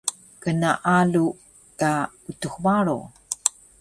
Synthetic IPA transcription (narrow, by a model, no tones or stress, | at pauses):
kənaʔalu | ka | utuxmaɾo̰